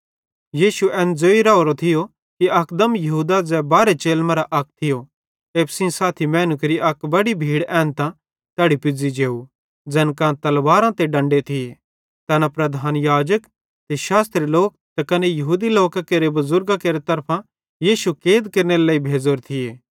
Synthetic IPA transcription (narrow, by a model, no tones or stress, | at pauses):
jiːʃuɛːnd͡zoːiɾaːoɾot̪ʰɪjo | kiɐkd̪ɐmjɐɦuːd̪ad͡zɛbaːɾet͡ʃeːlmɐɾaʔɐk̚t̪ʰɪjo | eːpsĩsaːt̪ʰimɛ̃ːnukeɾiʔɐkbɐɽibʱiːɽɛ̃ːnt̪ã | t̪ɛːɽipɪd͡zid͡ʒeːu | d͡zɛːnkãt̪ɐlʋaːɾãt̪eɖɐ̃ɳɖet̪ʰɪe | t̪ɐnapɾɐd̪ʱaːnjaːd͡ʒək | t̪eʃaːst̪ɾiloːk̚t̪ɐkɐnejɐɦuːd̪iloːkakeːɾebɐzʊɾɡakeːɾet̪ɐɾpʰã | jiːʃukeːd̪keɾneɾeleːibʱeːd͡zoːɾt̪ʰɪjeː